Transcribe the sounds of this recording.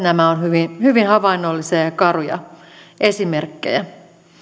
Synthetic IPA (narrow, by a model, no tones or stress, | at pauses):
næmæonhyʋinhyʋinhɑʋɑinːolːisɑjɑkɑrujɑ̰ | ʔesimerkːḛjæ